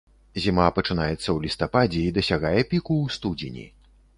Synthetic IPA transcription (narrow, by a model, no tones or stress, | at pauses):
zʲimapɐt͡ʂɨnajɛt̪sːɐwlʲist̪apad͡zʲɛid̪ɐsʲaɣajɛpʲikust̪ud͡zʲinʲḭ